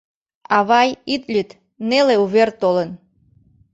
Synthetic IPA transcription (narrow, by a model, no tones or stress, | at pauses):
ɑβɑjit̪lʲyt̪ | neleuβert̪olən